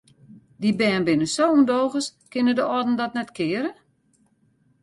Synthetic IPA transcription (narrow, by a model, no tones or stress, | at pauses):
dibɛːnbɪnəsowundowɣəskɪnədəʔɔdn̩dɔtnɛtkʰɪəɾə